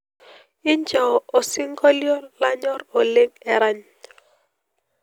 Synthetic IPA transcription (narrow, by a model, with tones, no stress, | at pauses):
ɪ˦ɲd͡ʒa˨o˨sɪ˦ŋɡɔ˦ljɔ˦la˦ɲɔ˦ɾo˨le˦ŋɛ˨ɾa˦ɲ